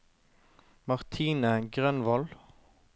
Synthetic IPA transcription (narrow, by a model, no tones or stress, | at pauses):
mɑʁt̪ʰiːnəɡʁœnʋɔl